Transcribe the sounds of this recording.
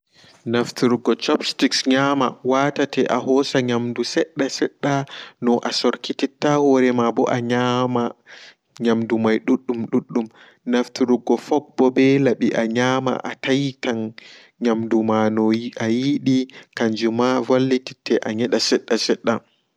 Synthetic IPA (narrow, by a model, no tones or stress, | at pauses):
naftuɾuɡɔt͡ʃɔpstiksɲamawatatɛʔahɔsaɲamdusɛɗːasɛɗːanɔʔasɔɾkititːahɔɾɛmabɔ̰ʔaɲama | ɲamdumajɗuɗːumɗuɗːum | naftuɾuɡɔfɔk̚bɔbɛlaɓiʔaɲaːma̰ʔatajitan | ɲamdumanɔʔajiɗikaɲd͡ʒumavalːititʰːɛʔaɲɛɗasɛɗːasɛɗːa